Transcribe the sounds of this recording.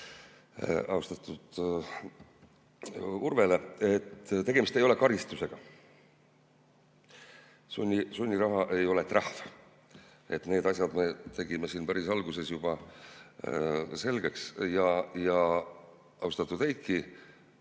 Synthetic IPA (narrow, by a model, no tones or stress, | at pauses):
ɑ̰ust̪ɑt̪ːˑud̪̥ | urve̞le̞et̪ːt̪eɡemist̪e̞jo̞le̞kɑɾist̪use̞ɡ̥ɑ | sunʲːisunʲːiɾɑɦɑʔe̞jo̞let̪ːˑrɑhv | e̞t̪ne̞ːd̪̥ɑsʲjɑd̪me̞t̪e̞ɡ̥imesiːnpæɾisɑlɡ̥use̞sjub̥ɑ | se̞lɡ̥e̞ksjɑjɑ | ɑust̪ɑt̪ːˑud̪̥ejt̪̚ki